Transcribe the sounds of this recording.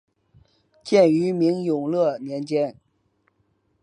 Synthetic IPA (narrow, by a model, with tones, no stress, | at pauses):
t͡ɕjɛ˥˩ny˧˥mi˧˥ŋjʊ˨˩ŋlɤ˥˩njɛ˧˥nt͡ɕjɛ˥n